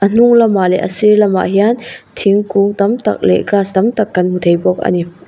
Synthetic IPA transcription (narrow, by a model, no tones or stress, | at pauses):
ʔɐn̥uŋlɐmaʔlɛʔəsiɾlɐmːa̰ʔɦiant̪ʰiŋkuŋt̪ɐmt̪ɐ̰k̚lɛ̰ɡɾaːst̪ɐmt̪ɐkːɐnmut̪ʰejbɔk̚ɐ̰ni